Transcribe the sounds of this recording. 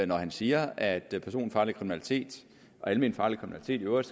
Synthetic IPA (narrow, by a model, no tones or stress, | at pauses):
nɒhænsiːɐæd̥pʰæɐso̝̰ːn̩fɑ̈ːlikʰʁiminælit͡sʰe̝̰ːd̥ | ʔɒ̽æləmḭːnfɑ̈ːlikʰʁimnæli̥t͡sʰe̝̰ːd̥iøʊɐs